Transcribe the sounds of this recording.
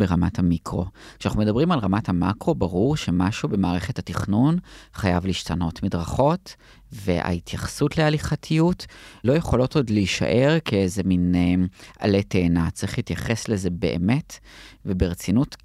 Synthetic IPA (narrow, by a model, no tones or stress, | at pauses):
beʁamathamikʁo̞̰kʃeanaχnume̞dɐbʁimalʁamathamakʁo̞baʁuʁʃe̞maʃube̞maːʁe̞χe̞thatiχnunχajavliːʃtano̞tmidʁaχo̞t | ve̞̰ʔa̰it̪jaχsutlealiχatʰijutlo̞jeχo̞lo̞to̞dliʃa̰ʔe̞ʁkeezeminea̰le̞te̞ːnat͡siχiːtjaχe̞sleze̞be̞̰ʔḛme̞tve̞beʁet͡sinut